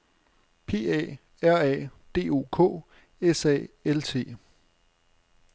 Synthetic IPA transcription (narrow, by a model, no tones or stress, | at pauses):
pʰe̝̰ːɛ̰ː | æɐ̰ɛ̰ːd̥e̝̰ːo̝̰ːkʰɔ̰̽ː | esɛ̰ːelt͡sʰe̝̰ː